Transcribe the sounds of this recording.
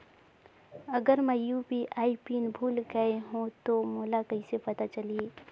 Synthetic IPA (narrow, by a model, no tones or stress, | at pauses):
ɐɡəɾməjuːpiʔaːipiːnbʱuːlɡəeɦõt̪omoːlakɐĩsepɐt̪at͡ʃɐlieː